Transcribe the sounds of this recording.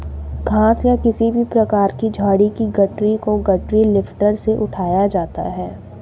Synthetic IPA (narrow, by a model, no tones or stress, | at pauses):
ɡʱãːsjakɪsibʱipɾɐkaːɾkid͡ʒʱaːɽikiɡɐʈɾikoɡɐʈɾilɪfʈəɾseʔʊʈʰaːjad͡ʒaːt̪a̰ɦɛː